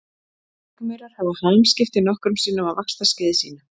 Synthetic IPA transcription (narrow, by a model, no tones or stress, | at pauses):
akmœɾaɾ̥havahalmscɪft̪ɪnɔhkɾʏmsiːnːʏamaðvakst̪ascɪðɪsḭːna